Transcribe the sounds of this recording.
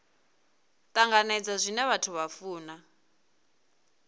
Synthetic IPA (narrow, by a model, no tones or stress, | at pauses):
t̪ʼaŋɡanɛd͡zazʷinɛβatʰuβafuːna